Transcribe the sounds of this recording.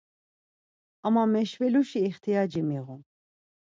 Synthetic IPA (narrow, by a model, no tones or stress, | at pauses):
amamɛʃvɛluʃiːχt̪ʰijad͡ʒimiʁun